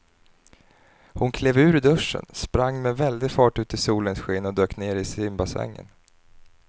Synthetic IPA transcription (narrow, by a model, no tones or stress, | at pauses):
hʊnkʰleːvʉ̟ːɾd̪ɵʂːə̰nspɾaŋːmɛvɛld̪ɪɡfɑːʈʉ̟ːt̪ɪsuːlənsɧeːnɔd̪øːkneːɾɪsɪmbasɛ̰ŋːə̰n